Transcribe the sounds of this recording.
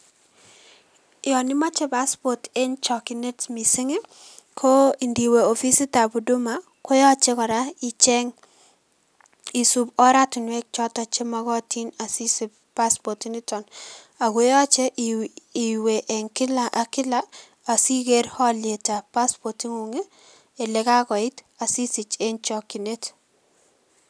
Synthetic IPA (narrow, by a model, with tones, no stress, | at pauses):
ɪɔ˨nɪ˦ma˦t͡ʃe˦pa˦spɔ˨te˦nt͡ʃɔ˨ki˨ne˦tmi˨sɪ˦ŋe˦ | kʰo˦i˨ndi˨we˨o˨fi˦si˦ta˨bu˨du˦ma˨ | ko˦jɔ˦t͡ʃɛ˦kɔ˨ɾa˦i˨t͡ʃɛ˦ŋ | i˨su˨bɔ˦ɾa˦tʊ˨nwɛ˦k̚t͡ʃɔ˦ta˨t͡ʃe˦ma˦ɣɔ˦˨ti˦na˨si˦si˦ | pa˦spɔ˨ti˦nɪ˦tɔ˨n | a˨ɡo˦jɔ˦t͡ʃe˦ | i˨we˨ʔɛ˨ŋkɪ˦la˦ʔa˨kɪ˦laː˦˨ | si˦ɡe˦ɾhɔ˦lɪe˨ta˨pa˦spɔ˨ti˦ŋu˨ŋeː˦˨ | lɛ˨˦ka˦kɔ˨ɪ˦t | a˨si˦sɪ˨t͡ʃe˦nt͡ʃɔ˦ki˨ne˦t